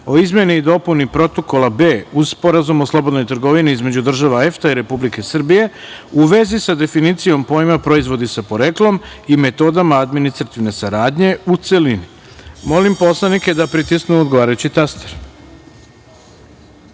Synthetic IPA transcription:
o̞izmje̞niːd̪o̞punipɾo̞t̪o̞ko̞lˠabe̞ːuspo̞ɾazumoslˠo̞bo̞d̪no̞jt̪r̩ɡo̞ʋiniizme̞d͡ʑud̪r̩ʒaʋaeft̪aiɾe̞publike̞sr̩bije̞uʋe̞zisad̪e̞finit̪sijo̞mpo̞jimapɾo̞izʋo̞d̪isapo̞ɾe̞klˠo̞mime̞t̪o̞ːd̪amaad̪minist̪ɾat̪iʋne̞saɾaːd̪ɲe̞ut̪se̞lini | mo̞limpo̞slˠanike̞d̪apɾit̪isknuod̪ɡo̞ʋaːɾajut͡ɕit̪ast̪eɾ

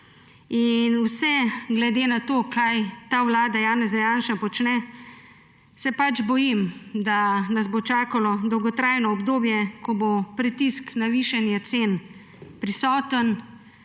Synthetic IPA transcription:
inwsɛɡlɛd̪enat̪oːkajt̪awlaːd̪ajaːnɛzajaːnʃapɔt͡ʃnɛ | sɛpad͡ʒbɔjimd̪anazbot͡ʃaːkalɔd̪ɔwɡɔt̪ɾajnɔːbd̪oːbjɛkɔbopɾit̪isknaʋiʃɛnjat̪seːn | pɾisɔːt̪ən

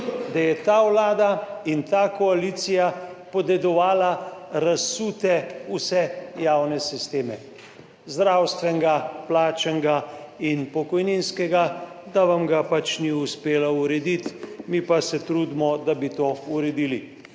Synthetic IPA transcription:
d̪ajɛt̪aːwlaːd̪aint̪aːkɔaliːt̪sijapɔd̪ɛd̪ɔʋaːlaɾasuːt̪ɛusɛjaːwnɛsist̪eːmɛ | zd̪ɾawst̪ʋɛŋɡaplaːt͡ʃɛŋɡainpɔkɔjninskɛɡa | d̪aʋamɡapat͡ʃniuspeːlauɾɛd̪it̪mipasɛt̪ɾuːd̪mɔd̪abit̪oːuɾɛd̪ili

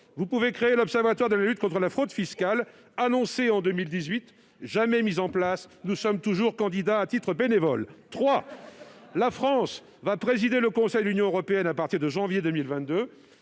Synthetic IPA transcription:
vupuvekχeelɔpsɛʁvat̪waʁd̪əlalyt̪kɔ̃t̪χəlafχod̪fiskal | anɔ̃seɑ̃d̪ømild̪izɥit̪ | ʒamɛmizɑ̃plasnusɔmt̪uʒuʁkɑ̃d̪id̪aːt̪it̪χəbenevɔlt̪χwa | lafχɑ̃s | vapχezid̪eləkɔ̃sɛjd̪əlynjɔ̃øʁɔpeɛnapaʁt̪iʁd̪əʒɑ̃vjed̪ømilvɛ̃t̪̚d̪ø

